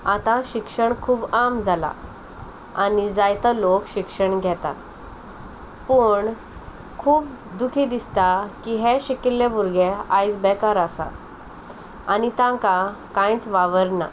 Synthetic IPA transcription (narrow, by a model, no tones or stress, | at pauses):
at̪ãɕikʂəɳkʰuːbamd͡zʱala̰ | anid͡zajt̪alokɕikʂəɳɡʱɛt̪a̰t̪ | pəɳ | kʰuːp | d̪ukʰid̪ist̪akiɦɛɕikilːebuɾɡeajd͡zbɛkaɾasa̰ | anit̪ãŋkakãjt͡sʋaʋəɾna̰